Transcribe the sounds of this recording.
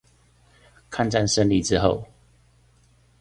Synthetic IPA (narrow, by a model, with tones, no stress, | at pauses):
kʰa˥˧˨nʈ͡ʂa˥˨nʂə˥˦nli˥˨ʈ͡ʂɻ̩˦xo˥˨ʊ